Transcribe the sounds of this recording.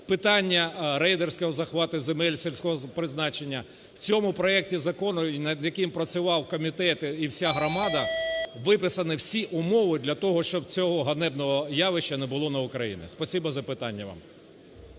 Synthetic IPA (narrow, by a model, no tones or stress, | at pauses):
pɪt̪ɑnʲːɐɾɛjd̪ersʲkɔɦɔzɐxʋɑt̪ɪzemɛlʲsʲelʲsʲkɔɦɔpɾɪznɑt͡ʃenʲːɐ | w̥t͡sʲɔmʊpɾɔɛk̚tʲizɐkɔnʊnɐd̪jɐkɪmpɾɐt͡sʲɪʋɑwkɔmʲit̪ɛt̪ɪiwsʲaɦɾɔmɑd̪ɐʋɪpɪsɐnɪwsʲiʔʊmɔʋɪd̪ʲlʲɐt̪ɔɦɔʃt͡ʃɔb̚t͡sʲɔɦɔɦɐnɛbnɔɦɔjɑʋɪʃt͡ʃːɐnɛbʊlˠɔnɐʊkɾɐjḭnɪ̰spɔsʲibɐzɐpɪt̪ɑnʲːɐʋɑ̰m